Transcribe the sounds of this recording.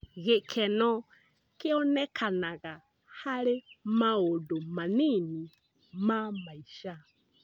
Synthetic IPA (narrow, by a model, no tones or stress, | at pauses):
ɣekʰɛnɔ | keɔnɛkʰanaɣa | haɾemaodomanini | mamaiʃa